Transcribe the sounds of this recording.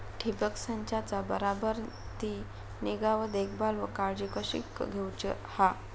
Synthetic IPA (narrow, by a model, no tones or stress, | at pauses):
ʈʰibəksãɲt͡ɕat͡sabəɾabəɾ | t̪i | niɡaʋəd̪ekbalʋəkaɾd͡ʑikəɕḭkːɡʱewt͡ɕə̰ | ha